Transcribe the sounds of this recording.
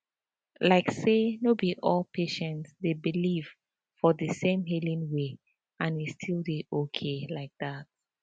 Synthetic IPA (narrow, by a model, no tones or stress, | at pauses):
laɪksenobiʔɔlˠpʰeʃɛ̃ntsdebiliv̥ | fɔðəsẽmɦilĩnwe | ãnistʰilˠdeʔokʰelaɪk̚ðat̚